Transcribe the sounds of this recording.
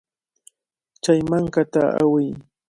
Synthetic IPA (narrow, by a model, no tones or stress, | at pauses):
t͡ʃajmaŋkat̪aa̰wɪj